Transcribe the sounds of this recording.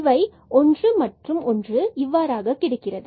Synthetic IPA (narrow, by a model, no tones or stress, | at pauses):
ʋɐɪ | ʔɔndrɯmɐʈrɯmɔndrɯɪʋːaːɾaːɣɐkɪɽɐkːɪrɐðɯ